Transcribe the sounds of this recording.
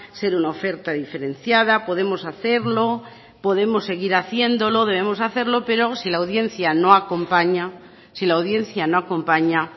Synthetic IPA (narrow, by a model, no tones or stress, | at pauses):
se̞ɾunaofe̞ɾt̪aðife̞ɾẽ̞n̟θjaðapo̞ð̞e̞mo̞saθe̞ɾlo̞ | po̞ðe̞mo̞sːe̞ɣ̞iɾaθje̞nd̪o̞lo̞ðe̞β̞e̞mo̞saθe̞ɾlo̞pe̞ɾo̞silawðje̞nθjanõ̞ako̞mpaɲa | silawð̞je̞n̟θjano̞ako̞mpaɲa